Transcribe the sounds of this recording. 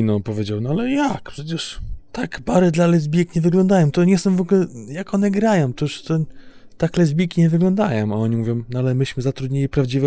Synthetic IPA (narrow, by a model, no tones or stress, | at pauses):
nɔ̃pɔvʲed͡ʑawnɔalɛjakpʂɛt͡ɕɛʂt̪aɡbaɾɛd̪lalɛzbʲikɲɛvɘɡlɔnd̪ajɔ̃w̃t̪ɔɲɛst̪ɔmvɔɡulɛjakɔnɛɡɾajɔ̃w̃t̪ɔʂt̪ɔ | t̪aklɛzʲbʲikʲiɲɛvɘɡlɔ̃nd̪ajɔ̃maɔɲimuvʲjɔ̃w̃nalɛmɘɕmɘzat̪ɾud̪ʲɲilʲipɾavd͡ʑivɛ